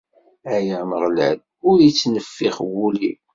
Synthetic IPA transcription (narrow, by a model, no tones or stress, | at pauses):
æjəʕməʁl̰d | ʊɾjit͡sːnəfːiχwuli